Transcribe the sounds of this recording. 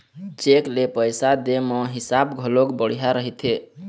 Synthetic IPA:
t͡ʃeklepəjsad̪emẽɦisabɡʱəlokbəɽ̤ijaɾəɦit̪ʰe

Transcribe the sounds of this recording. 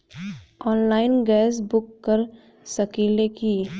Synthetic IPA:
ɔːnlaːɪnɡɛːsbʊkːəɾ | sɐkiːleki

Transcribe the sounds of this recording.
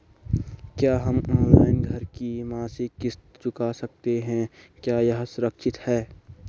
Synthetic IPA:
kjaːɦɐmɔːnlaːɪnɡʱɐɾkimaːsɪkːɪst̪t͡ʃʊkasɐk̚t̪eɦɛ̃kjaːjɐɦsʊɾəkʃɪt̪hɛː

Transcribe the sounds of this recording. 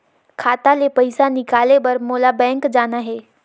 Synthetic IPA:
kʰaːt̪alepɐɪsanɪkaːlebɐɾmoːlabɛ̃ːŋkd͡ʒaːnaɦɛː

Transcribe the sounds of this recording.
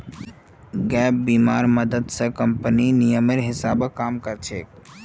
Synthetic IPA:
ɡɛːp̚biːmaːɾməd̪əd̪sə̃kəmpəninijəmeɾɦɪsaːbəkaːmkəɾt͡ʃʰeːk

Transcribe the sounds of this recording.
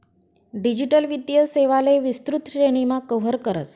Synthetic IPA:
ɖid͡ʑiʈəlʋid̪jəseʋaleʋist̪ɾut̪ɕeɽ̃imakəwɦəɾkəɾə̰t͡s

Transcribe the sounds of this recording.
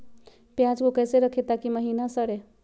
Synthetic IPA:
pjãd͡ʒkokəjseɾəkʰet̪akiməɦiːnasəɽe

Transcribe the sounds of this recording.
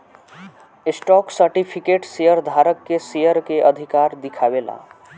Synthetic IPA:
ɪsʈɔksəɾʈipʰikeʈsejəɾd̪ʱaɾəkːesejəɾkeʔəd̪ʱikaɾd̪ikʰaʋela̰

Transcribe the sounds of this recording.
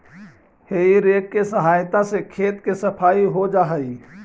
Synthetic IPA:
heiɾeːkkːesəɦaːjt̪ãsekʰeːt̪kesəpʰaːiɦod͡ʒaːɦəi

